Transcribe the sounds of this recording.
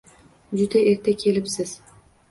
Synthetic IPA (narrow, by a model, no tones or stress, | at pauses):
d͡ʒʊd̪aeɾt̪ʰakʲʰe̞lɪpsɪz̥